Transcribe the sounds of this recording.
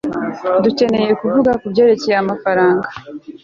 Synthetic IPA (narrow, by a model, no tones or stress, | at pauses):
duce̞ne̞je̞kuvuɡakubɟe̞ːɾe̞cejeamafaɾaːŋɡa